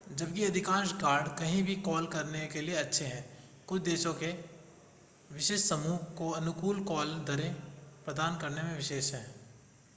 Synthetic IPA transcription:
d͡ʒɐb̚kiɐd̪ʱɪkãːʃkaːɾɖkɐɦĩbʱikɔːlkɐɾnekelieɐtːʃʰeɦɛ̃ː | kʊt͡ʃʰd̪eːʃõke | ʋɪʃeːʃsɐmuːkoɐnʊkuːlkɔːld̪ʱɐɾepɾɐd̪aːnkɐɾnemẽʋɪʃeːʃɦɛ̃ː

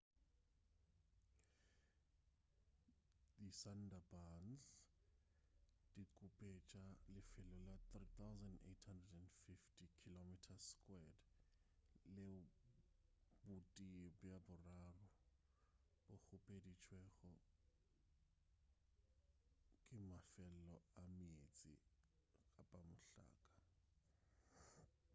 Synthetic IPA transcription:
disandabanz | dikʼupʼɛt͡ʃʼalɪfɪlʊlat̪rit̪awzandḛtʰhandrɛdɛndfiftʰikʰilomitʰaskʼwɛd | le | bʊtʼiɛbjabʊraːrʊ | b̥ʊk͡xʊpʼedit͡ʃʰwɛɣɔ | kʼɪmafɛllɔamiet͡sʼḭ | apʼamʊɬa̰ːkʼḁ

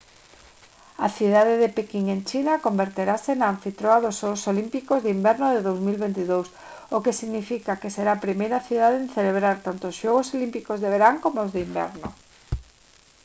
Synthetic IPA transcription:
aθiðaðeðepekiŋent͡ʃinakombeɾt̪eɾasenaːɱfit̪ɾoaðososolimpikozðimbɛɾnoðeðowzmilβent̪iðows | okesiɣnifikakeseɾaːpɾimejɾaθiðaðenθeleβ̞ɾaɾt̪ant̪oʊsʃɔɣosolimpikozðeβ̞eɾaŋkomoozðɪimbɛ̰ɾno

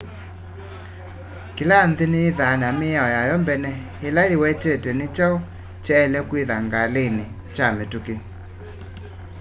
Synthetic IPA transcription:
kɪlanðɪneːðanamɪaɔjajɔmbɛnɛ | elaewɛtɛtɛnɪt͡ʃao | t͡ʃɛɛlɛkwiðaŋɡalenɪ | t͡ʃametuke

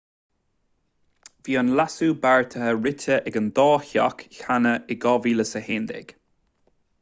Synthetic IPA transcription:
viːənlasubaɹt̪ʰəhəɹɪtʰəʔɛɡənd̪ɔːçɔ̰kçanəɪɡɔviləsəheːnd̪ɪ̰ɡ̥

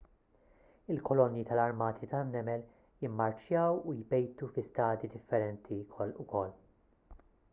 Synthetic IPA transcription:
ɪlkɔlɔnːjit̪ɐlɐɾmɐːt̪ʰit̪ɐnːɛmɛl | jɪmːɐɾt͡ʃjɐwujbɛjt̪ufɪst̪ɐːd̪id̪ɪfːɛɾɛnt̪ʰikʰɔlʊkʰɔlː

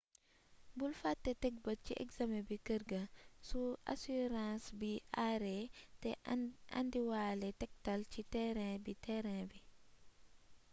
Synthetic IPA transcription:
bulfatːɛtɛk̚bɐt͡ʃiʔɛ̰kzamɛbikəɾɡɐsuʔa̰suɾãːsbiʔaɾɛtɛa̰ndiwaːlɛtɛk̚talt͡ʃitɛɾɛ̃bitɛɾɛ̃bi

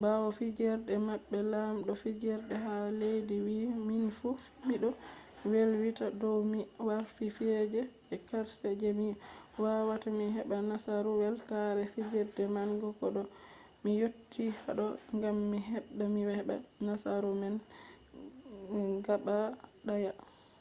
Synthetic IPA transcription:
bawɔfid͡ʒɛɾdɛmaɓːɛlamɗɔfid͡ʒɛɾdɛɦalejdiwiminifufmiɗɔ | welwitadɔwmiwaɾfifɛd͡ʒɛ | ɛkaɾsɛd͡ʒɛmiwawatamiɦɛɓanasaɾuwɛlkaɾɛfid͡ʒɛɾdɛmaŋɡɔkɔɗɔ | mijotːihaɗɔŋɡamːiɦɛɗːamiwɛɛɓa̰nasaɾumɛn | ɡaɓaɗaja

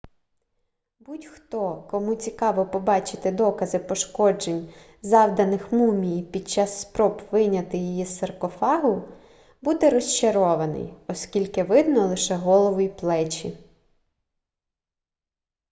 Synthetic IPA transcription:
butʲxt̪ɔkɔmut͡sʲikɑʋɔpɔbɑt͡ʃɪ̥t̪ɪd̪ɔkɐzɪpɔʃkɔd͡ʒenʲ | zɑwd̪ɐnɪxmumʲijpʲid̪̚t͡ʃɑsːpɾɔbʋɪnʲɐt̪ɪjijisɐrkɔfɑɦʊ | bud̪ɛɾɔst͡ʃɐɾɔʋɐnɪ̰jɔskʲilʲkɪʋɪd̪nɔlˠɪʃɛɦɔlˠɔʋʊjplˠɛt͡ʃḭ

